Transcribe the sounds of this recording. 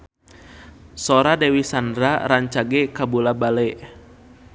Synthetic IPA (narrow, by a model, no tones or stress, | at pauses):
sɔɾadɛwisandɾaɾaɲt͡ʃaɡɛkabulabalɛ